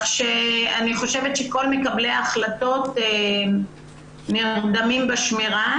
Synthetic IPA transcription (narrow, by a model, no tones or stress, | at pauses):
ʃeaniχo̞ʃe̞vetʃeko̞lme̞kableaχlato̞te | niʁd̪amimbaʃmiʁa